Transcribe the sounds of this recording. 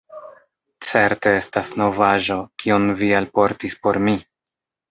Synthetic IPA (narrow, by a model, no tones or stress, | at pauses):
t͡se̞ɾte̞e̞stasno̞vaʒo̞kionvialpo̞ɾtispo̞ɾmi